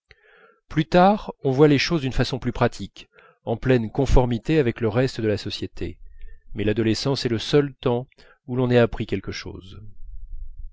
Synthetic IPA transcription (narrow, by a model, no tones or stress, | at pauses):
plyt̪aʁɔ̃vwaleʃozd̪ynfasɔ̃plypχat̪ʰik | ɑ̃plɛnkɔ̃fɔʁmit̪eavɛkləʁɛst̪əd̪əlasɔsjet̪ʰḛmɛlad̪ɔlesɑ̃sɛləsœlt̪ɑ̃ | ulɔ̃naapχikʲɛlkəʃo̰ːz